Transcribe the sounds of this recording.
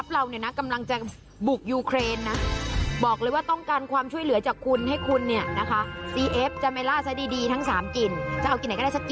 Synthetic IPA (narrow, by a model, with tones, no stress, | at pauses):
a˦˥p̚ɾa˧wni˦˥˩na˦˥ka˧mla˧ŋt͡ɕa˨˩ | bu˨˩k̚juː˧kʰɾeː˧nːa˦˥bɔː˨˩k̚lɤː˧jwaː˥˩t̪ɔ˥˩ŋkaː˧nkʰwaː˧mt͡ɕʰu˥˩əjlɯ˩˦ɐt͡ɕaː˨˩kʰːu˧nɦa˥˩jkʰu˧nːi˥˩ɐna˦˥kʰa˦˥siː˧ʔe˦˥p̚t͡ɕa˨˩ma˧jlaː˥˩sa˦˥diː˧diː˧t̪ʰa˦˥ŋsaː˩˦mki˨˩nt͡ɕa˨˩ʔa˧wki˨˩nːa˩˦kːa˥˩skːi˨